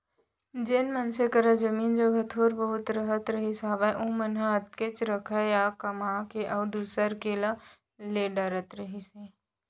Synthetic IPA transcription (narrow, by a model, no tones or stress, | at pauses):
d͡ʒeːnmənsekəɾad͡ʒəmiːnd͡ʒoɡʱət̪ʰoːɾbəɦʊt̪ɾɐɦət̪ɾəɦisaːbaʔũːmənɦaɦət̪̚ket͡ʃɾəkʰəjakɐmaːkeʔɐʊd̪uːsəɾkeːla | leːɖəɾət̪ɾəɦise